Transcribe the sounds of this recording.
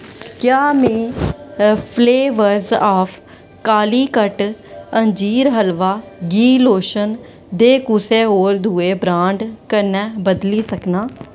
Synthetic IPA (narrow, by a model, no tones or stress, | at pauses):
kjaːmẽː | pʰleːʋəɾzaːpʰ | kaːliːkəʈəɲd͡ʒiːɾɦəlʋaːɡiːloːʃən | d̪eːkʊseːɦoːɾd̪ʱuːeːbɾãːɳɖkəɾnɛːbəd̪liːsəknaː